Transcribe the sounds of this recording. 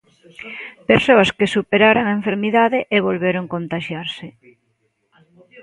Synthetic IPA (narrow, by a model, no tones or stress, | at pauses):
peɾsoɐskesupeɾaɾoŋaeɱfeɾmiðaðɪʔeβolβeɾoŋkont̪aʃjaɾsɪ